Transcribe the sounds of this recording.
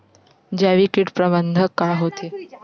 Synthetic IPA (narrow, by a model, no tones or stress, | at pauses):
d͡ʑaʋikiʈpɾəbənd̪ʱəkaɦot̪ʰe